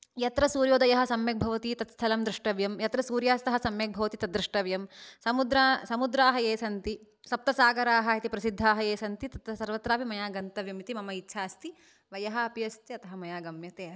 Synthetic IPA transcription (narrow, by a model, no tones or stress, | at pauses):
jɐt̪ɾɐsuːɾjoːd̪ɐjɐɦɐ̆sɐmjɐk̚bʱɐʋɐt̪it̪ɐt̪st̪ʰɐlɐmd̪ɾiʂʈɐʋjɐmjɐt̪ɾɐsuːɾjaːst̪ɐɦɐsɐmjɐk̚bʱɐʋɐt̪it̪ɐd̪ɾiʂʈɐʋjɐmsɐmud̪ɾasɐmud̪ɾaːɦɐjeːsɐnt̪i | sɐp̚t̪ɐsaːɡɐɾaːɦɐɐt̪ipɾɐsid̪ʱːaːɦɐjeːsɐnt̪it̪ɐt̪sɐɾʋɐt̪ɾaːpimɐjaːɡɐnt̪ɐʋjɐmit̪imɐmɐitːʃʰaːst̪i | ʋɐjɐɦɐɐpjɐst̪iɐt̪ɐɦɐmɐjaːɡɐmjɐt̪eːɐ